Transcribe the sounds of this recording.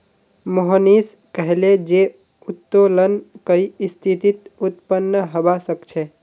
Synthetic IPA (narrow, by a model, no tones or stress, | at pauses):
moɦəniːs | kəɦeled͡ʒe | ut̪ːolənkəist̪ʰit̪it̪ut̪pənːəɦəbasəkt͡ʃʰe